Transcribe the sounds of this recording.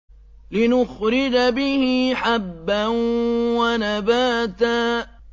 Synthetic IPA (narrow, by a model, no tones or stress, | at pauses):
lɪnʊxɾɪd͡ʒabɪhiħabːanwanabaːt̪aː